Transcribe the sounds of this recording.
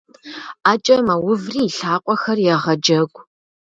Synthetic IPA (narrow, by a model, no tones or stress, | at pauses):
aːt͡ʃʼɐmɐwʊvriːɬaːqʷʼɔxɐrjɛʁɐd͡ʒɐɡʷʼ